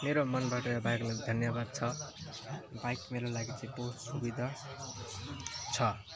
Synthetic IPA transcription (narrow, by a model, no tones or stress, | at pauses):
meɾomʌnbaʈʌbajklaid̪ʱʌnjʌbad̪̚t͡sʰʌ | bajkmeɾolaɡit͡sʌ̃ĩpossubid̪ʱʌ | t͡sʰʌ